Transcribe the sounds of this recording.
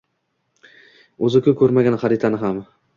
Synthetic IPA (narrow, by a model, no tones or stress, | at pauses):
ɵzɪkʲʰʊkʲʰɵɾmaɡʲanχaɾɪt̪ʰanɪɦam